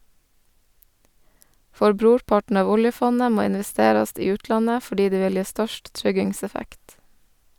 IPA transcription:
ˈfɔɾ ˈbɾuːɾˌpɑʈn̩ ˈɑːʋ ˈʊljəˌfɔnə ˈmoː ɪnʋɛˈsteːɾɑst ˈiː ˈʉːtlɑnə fɔˈɖiː ˈdeː ˈʋɪl ˈjeː ˈstœʃt ˈtɾʏɡɪŋˌsɛfækt

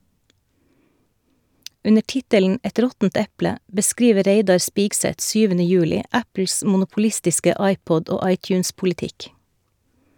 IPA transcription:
ˈʉnə ˈʈɪtəln̩ ˈɛt ˈɾɔtn̩t ˈɛplə bəˈskɾiːʋə ˈɾeɪdɑɾ ˈspiːksɛt ˈsyːʋənə ˈjʉːlɪ ˈʔæpl̩s mʊnʊpʊˈlɪstɪskə ˈɑɪˌpɔd ˈoː ˈɑɪˌtjʉːnspʊlɪˌtɪk

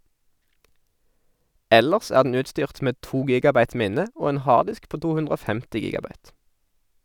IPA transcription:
ˈɛləʁs ˈæːʁ dn̩ ˈʉːtˌstyːʁt ˈmeː ˈtuː ˈɡiːɡɑˌbɑɪt ˈmɪnə ˈoː ˈeːn ˈhɑːʁdɪsk ˈpoː ˈtuː ˈhʉndʁ ˈoː ˈfɛmtɪ ˈɡiːɡɑˌbɑɪt

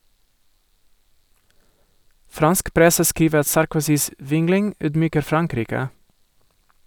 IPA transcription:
ˈfɾɑnsk ˈpɾɛsə ˈskiːʋə ˈɑt sɑɾkʊˈsiːs ˈʋɪŋlɪŋ ˈyːdˌmyːkəɾ ˈfɾɑŋˌkɾiːkə

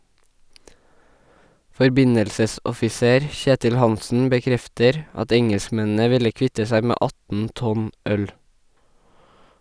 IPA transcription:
fɔɾˈbɪɲəlsəsɔfɪˌseːɾ ˈçeːtɪl ˈhɑnsn̩ bəˈkɾɛftəɾ ˈɑt ˈɛŋɛlskˌmɛnn̩ə ˈʋɪlə ˈkʋɪtə ˈsæɪ ˈmeː ˈʔɑtn ˈtɔn ˈœl

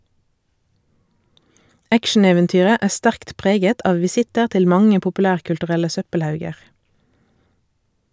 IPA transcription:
ˈækʃn̩eːʋɛnˌtyːʁə ˈæː ˈstæʁkt ˈpʁeːɡət ˈɑːʋ ʋɪˈsɪtəʁ ˈtɪl ˈmɑŋə pʊpʉˈlæːʁkʉltʉˌʁɛlə ˈsœpəlˌhɑʉɡəʁ

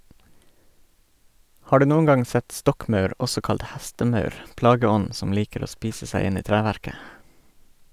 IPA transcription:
ˈhɑː ˈɖʉː ˈnuːən ˈɡɑŋ ˈsɛt ˈstɔkˌmœʉɾ ˈɔsɔ ˈkɑlt ˈhæstəˌmœʉɾ ˈplɑːɡəˌɔn ˈsɔm ˈliːkəɾ ˈoː ˈspiːsə ˈsæɪ ˈɪn ˈiː ˈtɾæːʋæɾkə

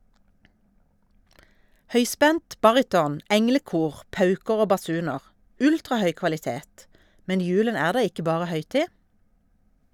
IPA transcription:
ˈhœʏˌspɛnt ˈbɑʁɪtɔn ˈɛŋləˌkuːʁ ˈpɑʉkəʁ ˈoː bɑˈsʉːnəʁ ˈʉltʁɑˌhœʏ kʋɑlɪˈteːt ˈmɛn ˈjʉːlən ˈæːʁ ˈdɑː ˈɪkə ˈbɑːʁə ˈhœʏˌtiː

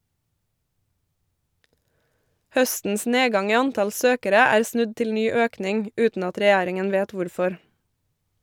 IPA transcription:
ˈhœstn̩s ˈneːˌɡɑŋ ˈiː ˈɑnˌtɑl ˈsøːkəɾə ˈæːɾ ˈsnʉd ˈtɪl ˈnyː ˈøːknɪŋ ˈʉːtn̩ ˈɑt ɾɛˈjæːɾɪŋən ˈʋeːt ˈʋʊɾˌfɔɾ

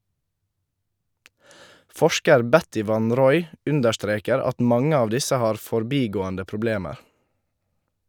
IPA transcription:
ˈfɔʃkəɾ ˈbɛtɪ ˈʋɑn ˈɾɔʏ ˈʉndəɾˌstɾeːkəɾ ˈɑt ˈmɑŋə ˈɑːʋ ˈdɪsə ˈhɑːɾ fɔɾˈbiːɡoːəndə pɾʊˈbleːməɾ

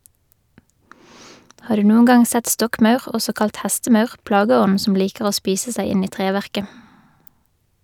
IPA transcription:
ˈhɑːʁ ˈdʉː ˈnuːəŋ ˈɡɑŋ ˈsɛt ˈstɔkˌmɑʉʁ ˈɔsɔ ˈkɑlt ˈhɛstəˌmɑʉʁ ˈplɑɡəˌɔn̩ ˈsɔm ˈliːkəʁ ˈoː ˈspiːsə ˈsæɪ ˈɪn ˈiː ˈtʁeːʋæʁkə

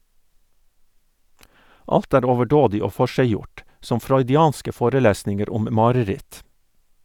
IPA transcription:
ˈɑlt ˈæːɾ oːʋəˈɖoːdɪ ˈoː ˈfɔʃæɪˌjʊʈ ˈsɔm fɾɔʏdɪˈɑːnskə ˈfoːɾəˌlæːsnɪŋəɾ ˈʊm ˈmɑːɾəˌɾɪt

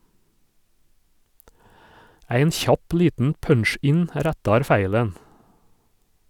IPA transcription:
ˈæɪn ˈçɑp ˈliːtn̩ ˈpœnˌʃɪn ˈɾætɑɾ ˈfæɪlən

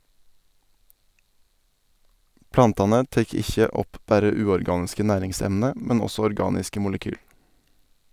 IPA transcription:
ˈplɑntɑnə ˈteːk ˈɪçə ˈɔp ˈbæɾə ˈʉːɔɾˌɡɑːnɪskə ˈnæːɾɪŋˌsɛmnə ˈmɛn ˈɔsɔ ɔɾˈɡɑːnɪskə ˈmʊləkyːl

